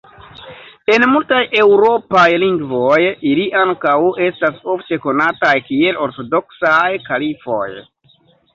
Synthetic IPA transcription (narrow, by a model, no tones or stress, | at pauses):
e̞nmultajʔe̞wɾo̞pajliŋɡvo̞jiliʔaŋkawʔe̞staso̞fte̞ko̞natajkie̞lo̞ɾto̞do̞ksajkalifo̞̰j